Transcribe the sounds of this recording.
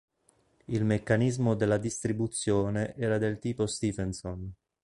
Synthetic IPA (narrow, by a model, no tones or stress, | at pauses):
ilmekːanizmod̪elːad̪ist̪ɾibut̪sːjoːneʔɛːɾad̪elt̪iːpost̪iːvɛnson